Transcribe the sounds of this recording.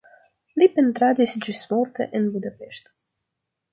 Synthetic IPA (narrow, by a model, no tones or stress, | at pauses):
lipent̪ɾad̪isd͡ʒismort̪ḛʔenbud̪apeʃt̪ḁ